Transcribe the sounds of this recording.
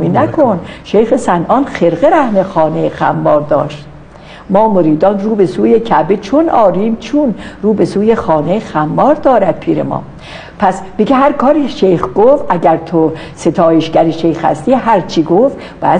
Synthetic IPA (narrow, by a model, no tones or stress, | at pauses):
minækʰonʃejxesænʔɒːnxeɾɣeɾæhmexɒːnejxæ̰mbɒːɾd̪ɒːʃt̪ | mɒːmoɾiːd̪ɒːnruːbe̞suːjecʰæbet͡ʃʰonɒːɾiːmt͡ʃʰunɾuːbe̞suːjexɒːnexæmbɒːɾd̪ɒːɾæd̪̥̚pʰiːɾḛmɒ̰ː | pʰæsd̪̥iɡeɦæɾkʰɒːɾiʃejxɡofʔæɟæɾt̪ʰo | se̞t̪ʰɒːjeʃɡæɾiʃejxhæ̰st̪iːɦæɾt͡ʃʰiɡof | b̥æ